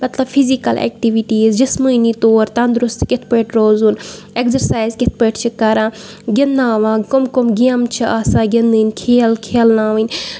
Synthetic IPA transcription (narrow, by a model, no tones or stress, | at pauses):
mɐt̪lɐbfʰizikɐlḛːk̚ʈiʋiʈiːzd͡ʒɐsməːnit̪oːɾt̪ãnd̪ɾʊst̪ket̪ʰpəːʈɾoːzuːn | ekzɐɾsaːjzkɪt̪̚ʰpəʈt͡ʃʰikɐɾãː | ɡʲɐnd̪ãːʋãːkomkomɡiamt͡ʃʰiʔaːsãːɡind̪ɨːnʲkʰeːlkʰeːlnãːʋɨnʲ